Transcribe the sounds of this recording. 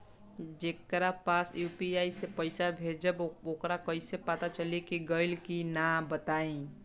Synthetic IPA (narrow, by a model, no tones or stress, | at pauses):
d͡ʒekɾapasjupiaisepəɪsabʱed͡ʒəbokɾakəɪsepat̪at͡ʃəlekiɡəɪlkinabət̪aĩ